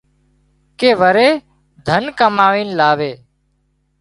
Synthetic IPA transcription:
keːʋəɾeː | d̪ʱənkəmaːʋiːnlaːʋeː

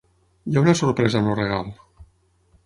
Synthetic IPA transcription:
jaunasoɾpɾɛzanoreɣ̞alˠ

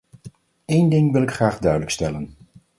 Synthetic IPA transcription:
ejndɪŋʋɪlɪkχraːχdœɥdələkstɛlən

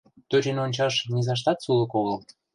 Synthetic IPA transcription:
t̪øt͡ɕenonʲt͡ɕɑʃnʲizɑʃ̬t̪ɑt̪sulə̆koɣəl

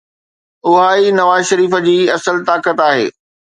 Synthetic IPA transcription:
ʊɦaːinɐʋaːzʃɐɾiːfə̆d͡ʑiːɐsəlt̪aːkət̪aːɦḛː

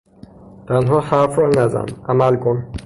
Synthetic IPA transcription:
t̪ʰænɦɔxaɾfɾɔnæzæ̰næmælkʰon

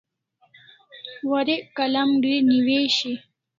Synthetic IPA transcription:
waɾekalamɖwiniweʃi

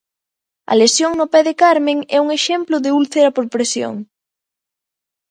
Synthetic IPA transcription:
ɐ̰lesjoŋnʊpɛðekaɾmeŋɛuŋeʃɛmplʊðɪulθeɾɐpoɾpɾesjo̰ŋ

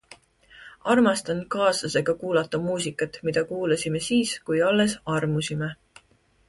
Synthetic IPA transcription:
ɑrmɑst̪ɑn̥̚kɑːsɑse̞ɡ̥ɑkuːlɑt̪ːˑɑmuːsikːˑɑt̪ˑmid̪̥ɑkuːlɑsime̞siːskujɑlːe̞sɑrmusime

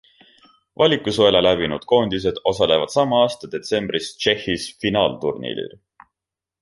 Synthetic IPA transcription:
vɑlʲikːˑusoelelæbinud̪̥̚ko̞ːnd̪is̬e̞d̪̥o̞sɑle̞vɑd̪̥sɑmɑɑːst̪ɑd̪̥e̞t̪se̞mb̥rist͡ʃe̞hːisfinɑːlt̪urnḛːlḭl

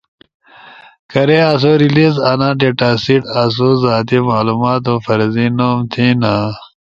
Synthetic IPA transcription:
kɐɾeas̬oːɾiliːzɐnãːɖeːʈaːsiʈas̬ozaːt̪imaːluːmaːt̪̬õfɐɾziːnoːmt̪ʰinaː

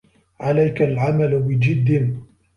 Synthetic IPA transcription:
ʕalajkalʕamalwɪd͡ʒɪd̪ːɪn

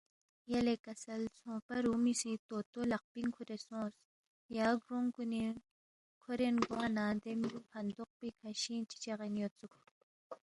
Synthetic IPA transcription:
jɐlekɐsɐlt͡sʰõːpɐɾuːmisit̪oːt̪olɐq̚piŋkʰuɾesõːs | jaːɡɾoŋkuni | kʰoɾenɡoanãːd̪emiupʰɐnd̪uq̚pikʰɐɕiːnt͡ʃi̥t͡ʃeʁenjot͡sukʰ

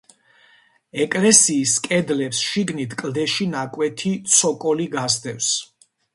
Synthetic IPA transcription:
ɛkʼlɛsiːskʼɛd̪lɛpsʃiɡnit̪ʰkʼld̪ɛʃinakʼwɛt̪ʰit̪sʰɔkʼɔliɡasd̪ɛfs

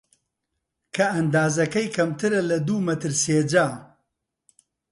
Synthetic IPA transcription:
kʰɐɐnd̪aːzɐkɐjkʰɐmt̪ʰɨɾɐlɐd̪uːmɐt̪ɨɾseːd͡ʒaː

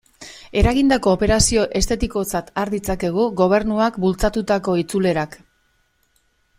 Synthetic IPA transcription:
e̞ɾaɣind̪ako̞ːpe̞ɾasio̞ʔe̞st̪e̞t̪iko̞t͡sat̪aɾðit͡sake̞ɣ̞uɣo̞β̞e̞ɾnuakbult͡sat̪ut̪ako̞it͡sule̞ɾak

